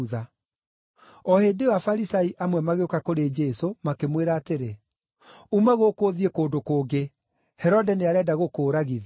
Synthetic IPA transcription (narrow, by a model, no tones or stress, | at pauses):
ða | ɔhendewafaɾisaiʔamwɛmaɣeokakoɾed͡ʒɛsomakemweɾaːteɾe | umaɣokoːðiekoːndokoːɡe | hɛɾɔdɛneaɾɛdaɣokoːɾaɣið